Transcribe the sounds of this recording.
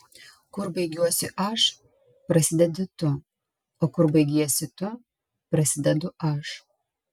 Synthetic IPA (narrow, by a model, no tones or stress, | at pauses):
kʊɾbɐɪɡʲuɔsʲʊʔɐʃ | pɾɐsʲɪd̪ʲɛd̪ʲʊt̪ʊ | oːkʊɾbɐɪɡʲiɛsʲɪt̪ʊ | pɾɐsʲɪd̪ʲɛd̪ʊɐʃ